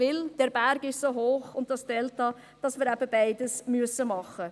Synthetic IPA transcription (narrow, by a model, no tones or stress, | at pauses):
vɪld̥ɛːɾbæɾɡɪʃsoːɦoːχʊnt̚d̥ɑstɛlt̚ːɑː | d̥ɑsmɪːɾæbəbæɪdəsmyəsəmɑχə